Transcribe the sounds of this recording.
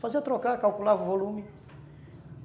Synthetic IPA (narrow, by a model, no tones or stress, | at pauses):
faziɐt̪ɾokakawkulavʊvolũmɪ